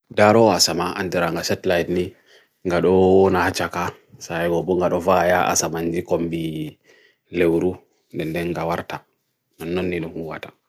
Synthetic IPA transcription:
daɾɔasamaʔa̰ndiɾaŋɡasɛtlajdni | ŋɡaɗɔɔnahat͡ʃːaka | saɛɡɔbɔŋɡaɗɔvajaʔa̰samand͡ʒikombi | lewɾu | ndɛndɛnɡawaɾta | nanːɔnːiɗɔmhuwa̰ta

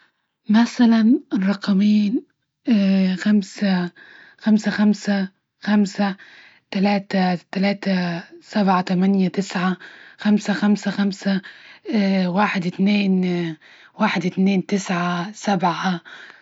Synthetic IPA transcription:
masalanɪrˤːɑqɑmiːn | xamsa | xamsaxamsa | xamsa | t̪alaːt̪at̪alaːt̪asabʕat̪amanjat̪ɪsʕaxamsaxamsaxamsa | waːħɪd̪ɪt̪neːn | waːħɪd̪ɪt̪neːnt̪ɪsʕasabʕa

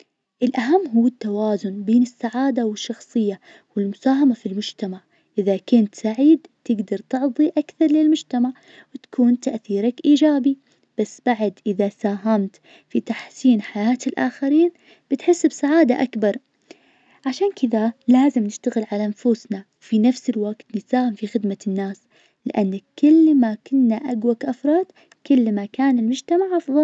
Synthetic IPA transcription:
ʔɪlʔaɦamːɦuːɪt̪ːawaːzʊnbeːnɪsːaʕaːd̪awɪʃːɑxsˤɨjːa | wɪlmʊsaːɦamafilmʊd͡ʒt̪amaʕ | ʔɪðakʊnt̪saʕiːd̪t̪ɪɡd̪ɑɾˤt̪ɨʕðˤiʔakθɑɾˤlɪlmʊd͡ʒt̪amaʕ | wɪt̪ḁkʰuːnt̪aʔθiːɾakʔiːd͡ʒaːbi | b̥asːb̥aʕad̪ʔɪðasaːɦamt̪ | fit̪aħsiːnħajaːt̪ɪlʔa̰ːxaɾiːn | b̥ɪt̪ħɪsːbsaʕaːd̪a̰ʔakbɑɾˤ | ʕaʃaːnkʰɪðalaːzɪmnɪʃt̪aɣɪlʕalanfusnawfinafsɪlwaɡt̪nɪsaːhɪmfixɪd̪manːaːs | lɪ̰ʔanːakɪlːmakʊnːaʔaɡwakʔɑfɾˤɑːd̪̥ | kɪlːmakaːnɪlmʊd͡ʒt̪amaʕʔɑfðˤɑl

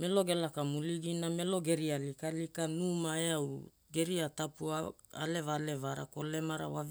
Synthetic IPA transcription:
me̞lo̞ɡe̞lakamuliɡiname̞lo̞ɡe̞ɾialikalikanumaeaw | ɡe̞ɾiatapua | a̰le̞vale̞vaɾa̰ko̞le̞maɾa̰wav

